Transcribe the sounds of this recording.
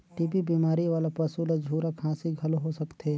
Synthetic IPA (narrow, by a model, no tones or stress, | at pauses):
ʈiːpibiːmaːɾiʋaːlapɐsulɐd͡ʒʱuːɾakʰãːsiɡʱɐloɦosɐkt̪e